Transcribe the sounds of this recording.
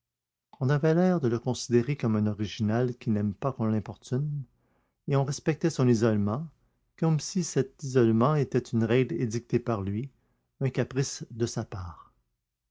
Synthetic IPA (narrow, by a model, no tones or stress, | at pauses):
ɔ̃navɛlɛːʁd̪ələkɔ̃sid̪eʁekɔmɛ̃nɔʁiʒinalkʲinɛmpakɔ̃lɛ̃pɔʁt̪yn | eɔ̃ʁɛspɛk̚t̪ɛsɔ̃nizɔlmɑ̃ | kɔmsisɛt̪izɔlmɑ̃et̪ɛt̪ynʁɛɡled̪ik̚t̪epaʁlɥi | ɛ̃kʲapʁisd̪əsapaːʁ